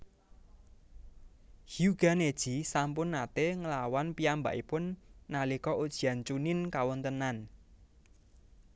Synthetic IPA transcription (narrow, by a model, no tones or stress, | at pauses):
hjuɡ̥a̤ned̥ʒ̥isampʊnːat̪eŋəlawanpiamba̰ʔipʊnːalikɔʔud̥ʒ̥i̤ant͡ʃunɪnkawɔnt̪ənan